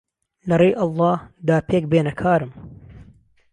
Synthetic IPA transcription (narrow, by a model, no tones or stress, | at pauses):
lɐrejʔɑlˠˤːɑːhd̪aːpʰeːk̚beːnɐkʰaːɾɨm